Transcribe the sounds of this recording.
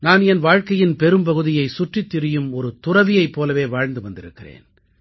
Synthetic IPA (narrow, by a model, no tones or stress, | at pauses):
naːnɛnʋaːɻkɐjɪnpɛɾɯmpɐɣɯðɪjɐɪsʊʈrɪt̪ːɪɾɪjɯmɔɾɯt̪ʊrɐʋɪjɐɪpːoːlɐʋeːʋaːɻnd̪ɯʋɐnd̪ɪɾɯkːɪrḛːn